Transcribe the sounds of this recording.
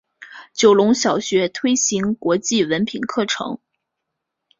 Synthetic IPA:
t͡ɕjo˨˩ʊlʊ˧˥ŋɕjɑ˨˩ʊɕɥɛ˧˥t̪ʰwe˥ɪɕi˧˥ŋkwɔ˧˥t͡ɕi˥˩wə˧˥npʰi˨˩nkʰɤ˥˩ʈ͡ʂʰɤ̰˧˥ŋ

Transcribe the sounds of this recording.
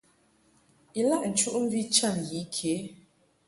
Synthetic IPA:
i˨la˦ʔn̩˨t͡ʃu˦ʔm̩˦bi˦t͡ʃa˦˨nji˨˦kʰe˨˦

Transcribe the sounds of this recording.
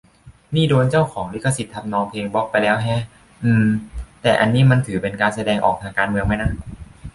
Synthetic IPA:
niː˥˩doː˧nt͡ɕa˥˩wkʰɔː˩˦ŋli˦˥kʰːa˧si˨˩t̪ʰːa˧mnɔː˧ŋpʰleː˧ŋbɔ˦˥k̚pa˧jlɛː˦˥wɦɛ˦˥ | ʔɯː˧mt̪ɛː˨˩ʔa˧nːiː˦˥˩ma˧nt̪ʰɯː˩˦pe˧nkaː˧nsa˧dɛː˧ŋʔɔ̰ː˨˩k̚t̪ʰaː˧ŋkaː˧nmɯ˧əŋma˦˥jna˦˥˩

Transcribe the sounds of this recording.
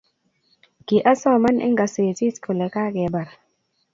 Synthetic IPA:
ɡ̥i˨ʔa˦sɔ˦˨ma˦nʔɛ̰˦ŋɡa˨se˨ti˦skʰo˨lɛ˨ka˦kɛ˨˦ba˨ɾ

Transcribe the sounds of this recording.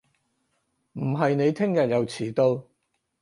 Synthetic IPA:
m̩˨˩ɦɐ˨jne˨˧jt̪ʰɪ˥ŋjɐ˨t̚jɐ˨˧wt͡sʰiː˨˩t̪o˧w

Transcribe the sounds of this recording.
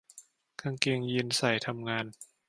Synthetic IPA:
kʰa˧ŋke˧ŋji˧nsa˨˩jt̪ʰa˧mŋaː˧n

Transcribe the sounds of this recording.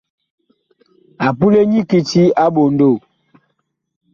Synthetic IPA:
a˨pu˦le˦ɲi˦ki˨ti˦a˦ɓo˨n˦do˦˨

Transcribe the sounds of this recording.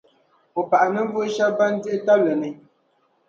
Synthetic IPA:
ɔ˨pa˨ʔa˨nə˦m̩˦vu˦ʃa˦ba˦n˦di˦ta˦blɛ˨nɨ˨

